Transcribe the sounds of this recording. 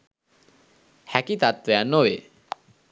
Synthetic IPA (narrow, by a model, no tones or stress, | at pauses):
hækit̪at̪ʋejanːoʋe